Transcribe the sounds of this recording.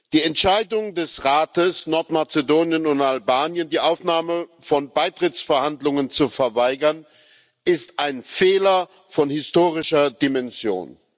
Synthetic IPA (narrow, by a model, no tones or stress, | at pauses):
d̥iːɛntʃaɪdʊŋdɛsʁaːtəsnɔɐtmaɐt͡sedoːnjənʊntalbaːnjəndiːʔaʊfnaːməfɔnbaɪtʁ̥ɪt͡sfɛɐhandlʊŋənt͡sufɛɐvaɪɡɐn | ʔɪstʔaɪnfeːlɐ | fɔnhɪstoːʁɪʃɐdimɛnzjo̰ːn